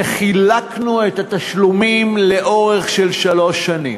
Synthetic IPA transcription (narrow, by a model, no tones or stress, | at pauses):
χilaknuet̪at̪aʃlumimle̞ʔo̞ʁe̞χʃelʃalo̞ʃːanḭm